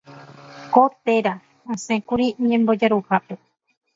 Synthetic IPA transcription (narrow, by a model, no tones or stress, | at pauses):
kot̪e̞ɾa | ãsẽkuɾiɲẽmbo̞d͡ʒaɾuhape